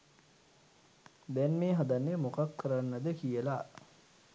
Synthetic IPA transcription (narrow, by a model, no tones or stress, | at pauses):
d̪ɛnmeːɦad̪anːemokakʰːəɾanːəd̪əkijəla